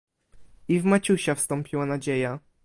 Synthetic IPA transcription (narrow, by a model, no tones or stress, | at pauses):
ivmat͡ɕuɕɛfst̪ɔmpʲiwanad͡ʑeja